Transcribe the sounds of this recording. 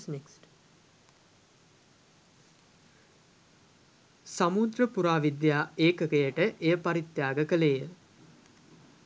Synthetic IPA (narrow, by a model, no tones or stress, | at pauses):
sneksʈ | samud̪rəpuɾaːʋid̪jaːeːkəkəjəʈəʔejəpaɾit̪jaːɡəkəlejə